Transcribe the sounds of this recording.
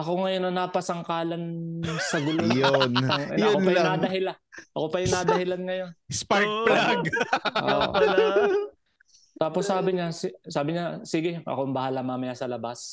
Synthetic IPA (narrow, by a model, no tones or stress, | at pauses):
ʔɐkoŋɐjonːɐnaːpɐsɐŋkaːlɐnsɐɡʊlojonɐjɐʊkonpɐj̪ad̪ɐhɪlaʔɐko̞pɐjʊnaːd̪ɐhɪlanŋɐjo̞nspaɾk̚plaɡʔo̰ | t̪aːposːaːbɪɲassaːbɪɲasiːɡɪʔɐ̰koɐmbɐhalamaːmɐjasɐlɐbas